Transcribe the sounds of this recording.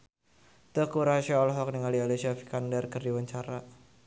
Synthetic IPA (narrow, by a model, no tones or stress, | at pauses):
t̪əkuɾaʃaɔlɦɔk̚niŋalialesiafi̥kandɛrkərdiwaɲt͡ʃaɾa